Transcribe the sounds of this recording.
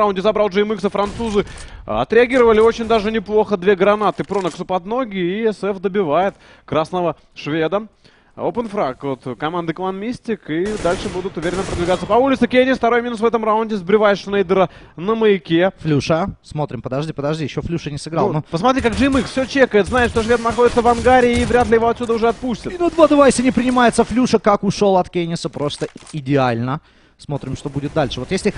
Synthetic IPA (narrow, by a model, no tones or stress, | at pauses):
aʊnʲdʲɪzɐbɾalˠʐɨjmɨksəfɾɐnt̪suzɨɐ̰t̪ɾʲɪɐɡʲiɾəvəlʲɪo̞t͡ɕɪnʲd̪aʐɨnʲɪplˠo̞xəd̪vʲe̞ɡɾɐnat̪ɨpɾonəksʊpɐd̪no̞ɡʲɪːɛsɛfd̪əbʲɪvajɪt̪ | kɾasnəvə | ʂvʲe̞d̪ə | opənfɾakvot̪kɐmand̪ɨklˠanmʲisʲtʲɪkid̪alʲʂɨbud̪ʊt̪ʊvʲeɾʲɪnːəpɾəd̪vʲɪɡat̪səpɐulʲɪt̪sɨkʲenʲɪsft̪ɐɾojmʲɪnusvɛt̪əmraʊnʲdʲɪzbɾʲɪvajɪʂnejd̪əɾə | nəməɪkʲeflʲuʂəsmo̞t̪ɾʲɪmpəd̪ɐʐdʲipəd̪ɐʐdʲijɪɕːoflʲuʂənʲɪsɨɡɾa̰lˠnopəsmɐt̪ɾʲikaɡʐɨmɨkfsʲot͡ɕekəjɪt̪znaɪt̪ʂt̪oʐvʲet̪nɐxodʲɪt̪səvɐnɡaɾʲɪːvɾʲat̪lʲɪjɪvo̞ɐt̪sʲud̪əʊʐɛɐt̪̚pusʲtʲɪt̪nod̪vad̪ɐvajsʲɪnʲɪpɾʲɪnʲɪmajɪt̪səflʲuʂəkakʊʂo̞lˠɐt̪kʲenʲɪsəpɾo̞st̪əɪdʲɪalʲnə | smo̞t̪ɾʲɪmʂt̪o̞budʲɪt̪̚d̪alʲʂɨvo̞t̪jesʲlʲɪ